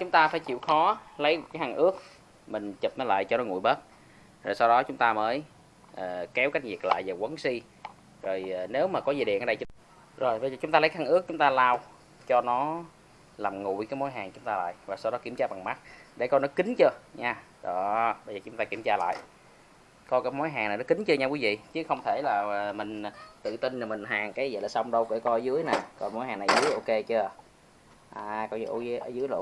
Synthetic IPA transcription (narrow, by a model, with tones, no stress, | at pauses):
t͡ɕʊ˨˦ŋ͡mt̪aː˧faː˧˩jt͡ɕḭ˧˨wxɔ˨˦lə˨˦jkaː˨˦jɦaː˨˩ŋʔɨ˦˥ək̚ | mï˨˩ŋ̟t͡ɕə˨˩p̚nəː˨˦la̰ː˧˨jt͡ɕɔ˧nɔ˨˦ŋṵ˧˨jɓə˦˥t̚ | zo˨˩sa˧wɗɔ˨˦t͡ɕʊ˨˦ŋ͡mt̪aː˧məː˨˦j | ʔəː˨˩kɛ˨˦wka˦˥jk̟̚vi˨˩ək̚la̰ː˧˨jveː˨˩kwə˨˦nsi˧ | zo˨˩jne˨˦wmaː˨˩kɔ˨˦ziː˨˩ɗḭ˧˨ʔəː˨˩ɗə˧˨˦ | zo˨˩jɓə˧jzəː˨˩t͡ɕʊ˨˦ŋ͡mt̪a˧ə˨˦kːŋɨ˦˥ək̚t͡ɕʊ˨˦ŋ͡mt̪aː˧laː˧w | t͡ɕɔ˧nɔ˨˦ | laː˨˩mŋṵ˧˨jkaː˨˦jmo˧˨˦jɦaː˨˩ŋt͡ɕʊ˨˦ŋ͡mt̪aː˧la̰ː˧˨jvaː˨˩sa˧wɗɔ˨˦ki˧˩əmt͡ɕaː˧˩ɓa˨˩ŋma˦˥t̚ɗe˧˩˦kɔ˧jnɔ˨˦kï˨˦ŋ̟t͡ɕɨː˧ɲaː˧ | ɔ˨˩ɓə˧jzəː˨˩t͡ɕʊ˨˦ŋ͡mt̪aː˧ki˧˩əmt͡ɕaː˧la̰ː˧˨j | kɔ˧kaː˨˦jmo˨˦jɦaː˨˩ŋna˨˩nɔ˨˦kï˨˦ŋ̟t͡ɕɨ˧ɲaː˧kwi˨˦vḭ˧˨t͡ɕɨ˨˦xə˧wŋ͡mt̪ʰe˧˩laː˨˩˨mï˨˩ŋ̟t̪ɨ̰˧˨t̪i˧nnaː˨˩mï˨˩ŋ̟ɦaː˨˩ŋkaː˨˦jə̰˧˨laː˨˩sa˧wŋ͡mɗə˧wkə˧˩˦kɔ˧˦zɨ˨˦əjnaː˨˩kɔ˨˩nmo˨˦jhaː˨˩na˨˩zɨ˨˦əjʔo˧ke˧t͡ɕɨ˧ə | ʔaː˨kɔ˧jʔo˧˨˦jʔə˧˦zɨ˨˦əjl